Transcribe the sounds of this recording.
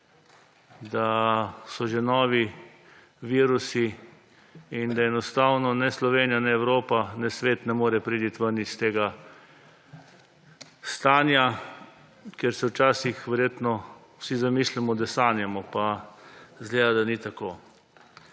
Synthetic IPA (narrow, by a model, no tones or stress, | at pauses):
d̪asɔʒenɔːʋi | ʋiːɾusiː | nd̪aɛnɔst̪aːwnɔnɛslɔʋeːnijanɛɛwɾoːpanɛsʋeːt̪nɛmoːɾɛpɾit̪it̪ʋəɾnist̪eːɡa | st̪aːnja | kɛɾsɛwt͡ʃaːsixʋɛɾjeːt̪nɔ | wsizamiːslimɔd̪ɛsaːnjɛmɔpa | zɡleːd̪ad̪anit̪akoː